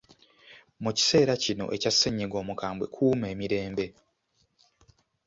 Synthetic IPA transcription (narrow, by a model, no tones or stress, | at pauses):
muci̥se̞ːɾacino̞̰ʔe̞casːeɲːiɡo̞ːmukaːmbwe̞̰kʰuːme̞ːmiɾe̞ːmbe̞